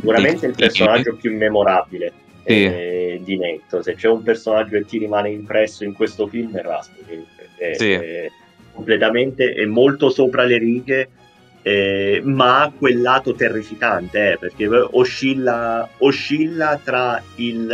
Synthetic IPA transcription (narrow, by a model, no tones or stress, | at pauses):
ssikuɾament̪eilpersonad͡ʒːopjuimːemoɾaːbile | d̪inet̪ːoset͡ʃːɛumpersonad͡ʒːoek̪ːiɾimaːneimpɾɛsːoiŋkwest̪ofilmɛrːa̰spikinpḛrk̟e | komplet̪ament̪eʔɛmːolt̪osoːpɾaleɾiːɡe | ɛmaakːwelːaːt̪ot̪erːifikant̪eɛperk̟eoʃːilːaoʃːilːat̪ɾail